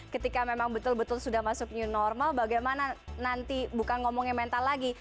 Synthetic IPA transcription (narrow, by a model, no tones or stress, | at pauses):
kət̪ikamemaŋbət̪ʊlbət̪ʊlsudahmasʊk̚ɲunɔrmalbaɡajmananant̪ibukanŋɔmɔŋaŋmɛnt̪alaɡi